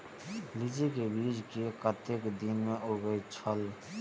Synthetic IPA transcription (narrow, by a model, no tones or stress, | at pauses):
lid͡ʒikebiːd͡ʒkekət̪ekd̪inmẽʔoɡəit͡ʃʰəl